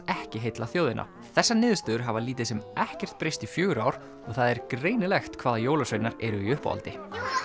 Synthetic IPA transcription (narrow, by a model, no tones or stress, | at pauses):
ɛhcɪɦejt̪laθjoːwðɪnʔa̰ | θɛsːanɪːðst̪ʏðʏɾ̥ɦavaliːt̪ɪðsɛmɛhcɛr̥t̪̚pɾejst̪ifjœːɣʏɾawɾ̥ | ɔɣθaðɛɾkɾeːjnɪlɛxt̪kʰvaːðajoːwlasœɥnaɾɛɾʏiʏhpa̰a̰lt̪ɪ